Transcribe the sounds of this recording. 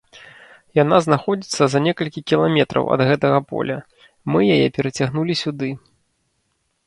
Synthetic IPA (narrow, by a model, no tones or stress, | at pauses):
janaznaxɔd͡zʲit̪sːɐzɐnʲɛkɐlʲkʲikʲilˠamʲɛt̪ɾɐ̰wʔɐ̰d̪ɣɛt̪ɐɣɐpɔ̰lʲɐ | mɨjajɛpʲɛɾɐt͡sʲaɣnulʲisʲud̪ɨ